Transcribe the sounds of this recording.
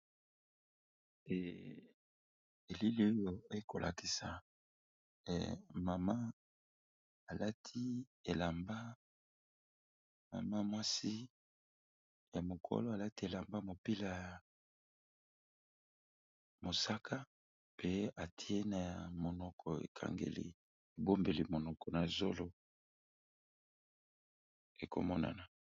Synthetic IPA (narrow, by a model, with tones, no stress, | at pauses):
e˨li˦li˦o˦jo˦e˦ko̰˨lʔa̰˨ki˨sa˨ | ma˨ma˦ | a˨la˦tʰi˦ | e˨la˨mba˦ | ma̰˨ma˦mwa˦si˦ | ja˨mo˨kʰo̰˦lo˦a˨la˦ti˦e˨la˨mba˦mo˨pi˦la˨ja˨ | mo˨sa˦kʰa˦ | pe˦a˨tʰi˦e˦na˨ja˨mo˨nɔ˨kʰɔ˨ḛ˨kʰa̰˨ŋɡḛ˨lḭ˨ | e˨bo˦mbe˨li˨mo˨nɔ˨kʰɔ˨na˨zo˦lo˦ | e˨ko̰˨mɔ˦na̰˨na˨